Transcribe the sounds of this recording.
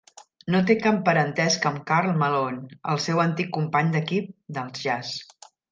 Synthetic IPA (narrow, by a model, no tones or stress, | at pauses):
not̪̬ekapːəɾənt̪ɛskəmkaɾlˠməlonə̰lˠsɛwənt̪ikːumpaɲd̪əkip̚d̪əlˠzʒas